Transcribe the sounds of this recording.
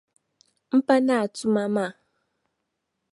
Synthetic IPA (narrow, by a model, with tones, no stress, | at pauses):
m̩˦pa˦na˨a˨tu˦ma˦ma˦˨